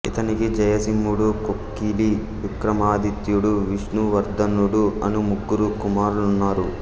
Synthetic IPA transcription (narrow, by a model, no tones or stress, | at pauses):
ḭt̪ɐnikid͡ʒɐjɐsimːuɽukokːiːli | ʋikɾɐmaːd̪it̪juɽuʋiʂnuʋɐɾd̪ɐnuɽuɐnumuɡːuɾukumaːɾulunːaːɾu